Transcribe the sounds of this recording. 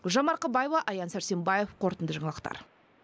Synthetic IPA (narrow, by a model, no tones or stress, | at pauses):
ʒɑmɑɾqəbɑjevɑʔɑjɑnsæɾse̞mbɑjefqʰo̞ɾt̪ənd̪əʒɑɴɑlˠəqt̪ɑ̰ɾ